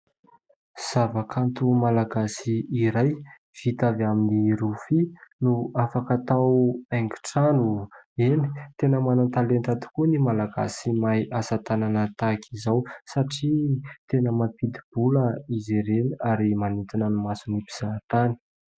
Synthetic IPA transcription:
z̥avakʰant̪umalaɡasiːɾaj | v̥it̪avaminiɾufinuafakat̪awaŋɡi̥ʈ͡ʂanueni̥t̪enəmanant̪alent̪at̪u̥kunimalaɡa̰simajʔasat̪ananət̪akʰizawsaʈ͡ʂit̪enəmapid̪ib̥uləizeɾenaɾimanit̪inənumasunipiz̥at̪ani̥

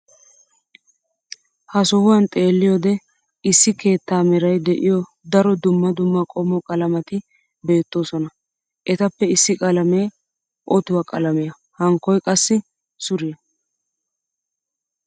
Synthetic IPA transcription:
hɐsɔhʊwɐnt̪ʼe̞ːlːɪjɔd̪ɛ | ɪsːɪke̞ːt̪ːaːmɛɾɐjd̪ɛʔɪjɔ | d̪ɐɾɔd̪ʊmːɐd̪ʊmːɐkʼɔmɔkʼɐlɐmɐt̪ɪ | be̞ːt̪ːo̞ːsɔnɐ | ʔɛt̪ɐpːɛɪsːɪkʼɐlɐme̞ː | ʔɔt̪ʊwɐkʼɐ̰lɐmɪjɐ | hɐŋkːɔjkʼɐsːɪ | sʊɾɪjɐ

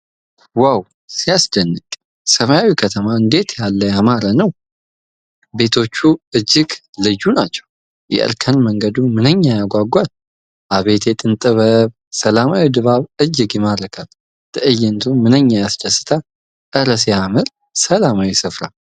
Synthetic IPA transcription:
waw | sijasd̪ənːɨkʼ | səmajawikʰət̪ʰəmaɨnd̪e̞t̪jalːəjamaɾanəw | be̞t̪ʰo̞t͡ʃːuɨd͡ʒːɪɡlɨd͡ʒunat͡ʃːɛ̥w | jɛ̰ʔɨ̰ɾkʰənməŋɡəd̪umɨnəɲːajaɡʷaɡʷal | ʔaβe̞t̪ʰjɛt̪ʼɨnt̪ʼɨβəβ | səlamawid̪ɨβaβɨd͡ʒːɨɡjɛmadəkʰal | t̪ʰəʔɨjɛnt̪ʰumɨnəɲːajasd̪əsːɨ̥t̪ʰa | ʔəɾəsjamɨɾ | səlamawisɨfɾa̰l

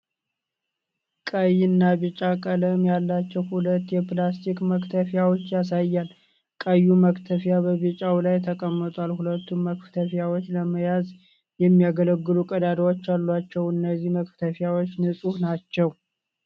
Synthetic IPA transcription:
kʼəjɪnːaβit͡ʃʼakʼələmjalːat͡ʃːɛwhulət̪ːjɛplast̪ʰikməkt̪ʰəfjawot͡ʃːjas̬ajːal | kʼəjːuməkt̪ʰəfjabəβit͡ʃʼawlajt̪ʰəkʼəmːət̪ʼwalhulət̪ːumməkft̪ʰəfjawot͡ʃːləməjaz | jɛmːijaɡələɡːɨlukʼəd̪ad̪awot͡ʃːalːwat͡ʃːɛwɨnːəzːihməkt̪ʰəfjawo̞t͡ʃːnɨsʼuhnat͡ʃːɛw

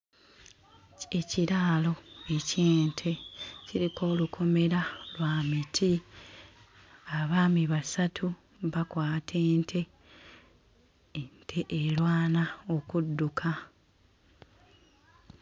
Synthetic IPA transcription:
e̞ciɾaːlo̞eceːntʰe̞ciɾiko̞ːlukʰo̞me̞ɾalwaːmitʰi | aβaːmiβasatʰu | βakwaːtʰe̞ːntʰe̞ | ntʰe̞ʔeɾwaːnao̞kudːukʰa

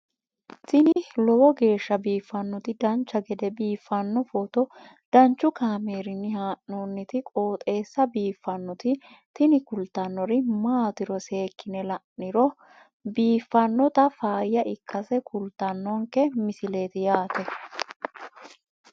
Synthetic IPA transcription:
t̪ɪnɪlɔwɔɡe̞ːʃːɐbiːfːɐnːɔt̪ɪd̪ɐnt͡ʃːɐɡɛd̪ɛbiːfːɐnːɔfɔt̪ɔ | d̪̥ɐnt͡ʃːʊkaːmeːɾɪnːɪhaːʔnonːɪt̪ɪkʼoːt̪ʼe̞ːsːɐbiːfːɐnːɔt̪ɪ | t̪ɪnɪkʊlt̪ːɐnːɔɾɪmaːt̪ɪɾɔse̞ːkːɪnɛlɐʔɪɾɔ | biːfːɐnːɔt̪ɐfaːjːɐʔɪkʰːɐsɛkʰʊlt̪ːɐnːɔŋkɛmɪsɪle̞ːt̪ɪjaːt̪ɛ

